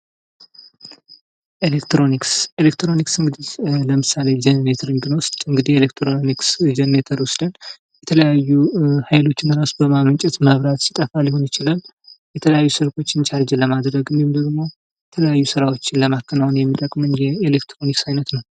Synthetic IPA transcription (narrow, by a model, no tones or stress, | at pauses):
ʔelekt̪ɾo̞nikselekt̪ɾo̞niksɨŋɡɨd̪iləmɨsale̞d͡ʒɛnnet̪ʰəɾɨŋɡɨnwʊst̪ʼɨŋɡɨd̪ihelekt̪ʰɾoniksd͡ʒɛnːet̪ʰəɾʊslɨn | jɛt̪ʰələjajːuhajlo̞t͡ʃːɪnɾasubəmamənt͡ʃʼɛt̪maβɾat̪si̥t̪ʼəfalːɪho̞njɪt͡ʃɪlal | jɛt̪ʰələjajːusɨɾko̞t͡ʃːɪnt͡ʃʰaɾd͡ʒɛləmad̪ɾəɡɨnd̪ihumd̪əɡmo̞ | jɛt̪ʰələjajːusɨɾawo̞t͡ʃːɪnləmakːənawnjɛmːit̪ʼəkʼmɨnjɛelekt̪ʰɾo̞niksajnət̪nəw